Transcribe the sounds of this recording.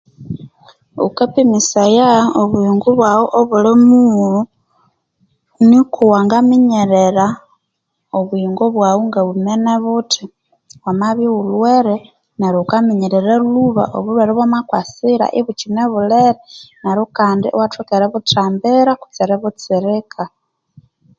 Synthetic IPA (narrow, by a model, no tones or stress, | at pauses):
ṵkapimisajaoβuiŋɡuβwawoʔoβulimulu | nikuwaŋɡamiɲeɾeɾa | oβwiːŋɡoβwawuŋɡaβumeneβutʰi | wamaβiwulweɾe | neɾokamiɲeɾeɾeluβa̰ʔo̰βulweɾeβwamakwasiɾa̰ʔiβut͡ʃineβuleɾeneɾukaːndiowatwekeɾeβutaːmbeɾaku̥t͡siɾeβut͡siɾikʰa